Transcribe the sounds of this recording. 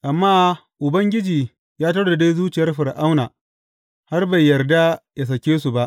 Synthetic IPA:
ʔa˨mːaː˦ | ʔʊ˨bɐ˦ŋɡʲɪ˦d͡ʒiː˨ | jaː˦t̬a˦ɽda˨da˦zuː˦t͡ʃɪ˨jɐ˦rɸɪ˨ɾʔa˦wnaː˨ | ha˦rba˨jːɐ˨rda˦ja˨s̬ɐ˨kʲeː˦su˨ba˦ʔ

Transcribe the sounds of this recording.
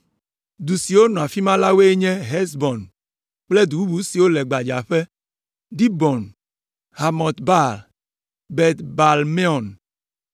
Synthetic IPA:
d̪u˨si˨wo˦nɔ̃˨a˨fi˦mã˦la˦we˦e˦ɲɛ̃˦ɦɛ˦sbɔ˨n | k͡ple˦d̪u˨u˦bu˨˦si˨wo˦lɛ˨ɡ͡ba˨d͡ʒa˨ɸe˦ | ɖi˦bɔ˨n | ha˨mɔ̃˨t̪ba˦˨l | bɛ˨t̪ba˨lme˦ɔ˨n

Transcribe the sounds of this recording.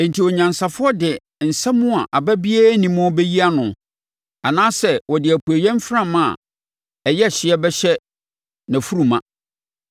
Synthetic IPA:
ɛ̃˨n̩˨tʰi˨wɔ˨ɲã˨nsa˨fʊ˦ɔ˦dɪ˨ | n̩˨sã˦mʊ̃˦a˨ʔa˨bæ˦bi˦æː˦nĩ˨mʊ̃˦bɛ˦ji˦a˦nʊ̃˨ | a˨nãː˦sɛ˨wɔ˨dɪ˨æ˨pʰu˨e˨jɛ̃˦m˦fɾã˦˨mã̰˦˨ | ɛ˨jɛ˦˨ɕɪ˨ɛ˦bɛ˦ɕɛ˦ | nã˨fu˦ɾu˨mã˨

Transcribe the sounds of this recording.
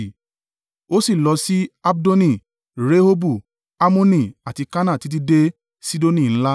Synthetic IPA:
o˦si˦˨lɔ˧si˦a˦bdo˦nĩ˦˨ | ɾe˦ho˦bu˦˨ | a˦mõ˦nĩ˦˨a˨ti˧ka˦nã˦˨ti˨˦t̬i˦de˦ | si˦do˦nĩ˦˨ñ̩˦la˦

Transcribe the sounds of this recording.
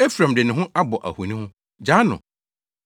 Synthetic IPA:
e˦fɾã˨mdɪ˨nɪ̃˨ɦʊ̃˦ʔa˦bɔ˨ʔæ̰˨hu˨nĩ˦hʊ̃˦ | d͡ʑa˦nʊ̰̃˨

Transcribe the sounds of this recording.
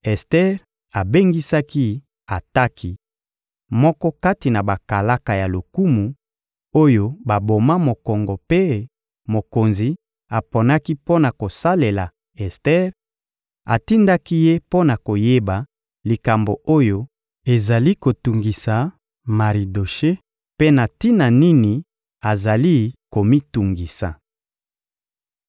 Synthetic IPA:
ɛ˨stɛ˦ʁ | a˨be˦ŋɡi˦sa˦ki˦ | a˨ta˦ki˦ | mɔ˦kɔ˦ka˦ti˨na˨ba˨ka˨la˦ka˨ja˨lo˨ku˦mu˨ | o˦jo˦ba˨bo˨ma˦mo˨kɔ˨ŋɡɔ˨pe˦ | mo˨ko˨nzi˨ | a˨po˨na˦ki˦po˦na˨ko˨sa˦le˨la˨ | ɛ˨stɛ˦ʁ | a̰˨ti˦nda˦ki˦je˦po˦na˨ko˨je˦ba˨ | li˨ka˨mbo̰˨o˦jo˦ | e˨za˨li˦ko˨tu˨ŋɡi˨sa˨ | ma˨ʁi˨do˨ʃe˦ | pe˦na˨ti˦na˨ni˦ni˨ | a˨za˨li˦ko˨mi˦tu˨ŋɡi˨sa̰˨

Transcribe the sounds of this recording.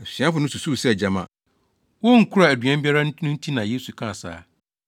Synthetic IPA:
ɛ˨ɕi˨ã˦fʊ˦nʊ̃˦su˨su˦˨sɛ˦ɛ˨d͡ʑa˨mã̰˦˨ | wɔ˦ŋ̩˨kʰu˦ɾa˨æ˨dɥã˦m˦bi˦a˦ɾa˦n˦nʊ̃˦n̩˦tʰĩ˦nã˨je˦su˨kʰã˦˨sa̰ː˨˦

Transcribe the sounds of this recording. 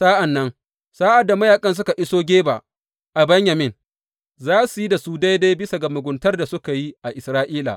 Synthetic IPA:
saː˦ʔa˨nːɐ˦ŋ | saː˦ʔa˨dːa˨mɐ˦jaː˨kʼɐ˦ns̬ʊ˦ka˨ʔɪ˦soː˦ɡʲeː˦ba̰˨ʔ | ʔa˨bɛ˦ɲja˨mɪ˦n | zaː˦su˨ji˦da˨su˦da˦jda˦jbɪ˦sa˨ɡɐ˨mʊ˨ɡʷʊ˨˦ntɐ˦rda˨sʊ˦ka˨ji˦ʔa˨ʔɪ˨sɾaː˦ʔiː˦la̰ː˨ʔ

